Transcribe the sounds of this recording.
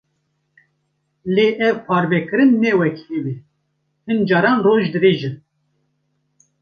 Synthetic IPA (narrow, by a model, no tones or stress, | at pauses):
leːʔɛvpʰɑːɾbɛkɨɾɨnːɛwɛkʰewe | hɨnd͡ʒɑːɾɑːnroːʒd̪ɨɾeːʒɨn